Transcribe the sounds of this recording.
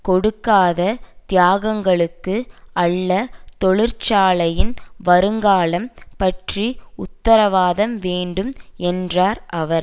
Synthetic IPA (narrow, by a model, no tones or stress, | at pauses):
kɔɽɯkːaːðɐt̪ɪjaːɣɐŋɡɐɭɯkːɯɐɭːɐt̪ɔɭɪɾt͡ʃaːlɐjɪnʋɐɾɯŋɡaːlɐmpɐʈriʊt̪ːɐɾɐʋaːðɐmʋeːɳɖɯmɛndraːɾɐʋɐɾ